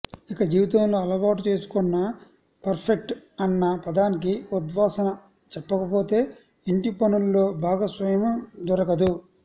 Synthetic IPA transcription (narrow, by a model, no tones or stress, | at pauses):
ikɐd͡ʒiːʋit̪ɐmlo̞ːɐlɐʋaːʈut͡ʃe̞ːsu̥kɔnːɐ | pɐɾpʰek̚ʈɐnːɐpɐd̪aːnik̬iud̪ʋaːsɐnɐ | t͡ʃɛpːɐkɐpo̞ːt̪e̞ː | iɳʈipɐnullo̞ːbʱaːɡasʋɐjɐmɐmd̪ɔɾɐɡɐd̪u